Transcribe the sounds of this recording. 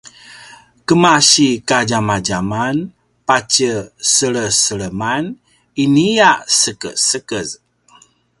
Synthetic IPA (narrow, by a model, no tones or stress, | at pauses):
kəmaɕikad͡ʒamad͡ʒaman | pat͡ʃəsəɭəsəɭəman | inijaʔsəkə̰səkəz